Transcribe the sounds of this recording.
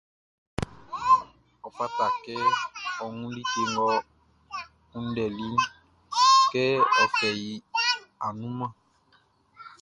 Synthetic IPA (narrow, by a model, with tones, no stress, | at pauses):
ɔ˨pa˦ta˨kɛ˦ɔ˨ŋũ˦li˦te˦ŋɡɔ˦ | u˦n˦dɛ˨li˦ | kɛ˦ɔ˨fɛ˨ji˨˦a˨nũ˦mã˦˨